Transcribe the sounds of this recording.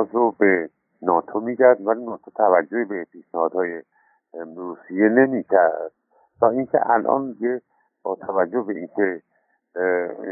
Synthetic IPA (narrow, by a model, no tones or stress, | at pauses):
bɔːzɾobe | nɒːt̪ʰomiːɟæɾd̪vælinɒːt̪ʰot̪ʰævæd͡ʒːoebepʰiːʃnæhɒːd̪hɒːje | ɾuːsijene̞miːkʰæɾd̪̥̚ | t̪ɒːʔiŋkʲʰḛʔælʔɒ̰ːndije | b̥ɒːt̪ʰævæd͡ʒːobeinkʲʰe